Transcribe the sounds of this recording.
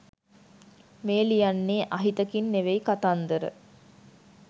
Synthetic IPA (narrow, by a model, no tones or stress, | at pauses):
meːlijanːeːʔaɦit̪əkinːeʋeikat̪and̪əɾə̰